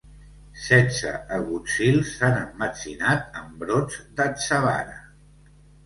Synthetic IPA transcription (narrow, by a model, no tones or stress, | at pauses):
sɛnsə̰əɣut͡silˠsanəmːət͡sinat̪̚əmbɾod͡zd̪əsəβa̰nə